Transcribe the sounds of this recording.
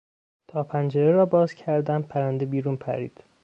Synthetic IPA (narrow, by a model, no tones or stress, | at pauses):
t̪ʰɒːpʰænd͡ʒeɾeɾɒːbɒːz̥cʰæɾd̪æmpʰæɾænd̪ebiːɾuːnpʰæ̰ɾḭːd̪̥